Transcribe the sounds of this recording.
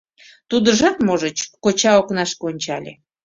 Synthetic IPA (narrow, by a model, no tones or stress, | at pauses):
t̪ud̪əʒɑt̪moʒət͡ɕkot͡ɕɑoknɑʃkonʲt͡ɕɑlʲḛ